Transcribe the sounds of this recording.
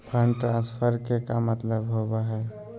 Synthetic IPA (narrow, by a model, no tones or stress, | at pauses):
pʰənʈɾãnspʰəɾkekamət̪ləbɦobaɦɛ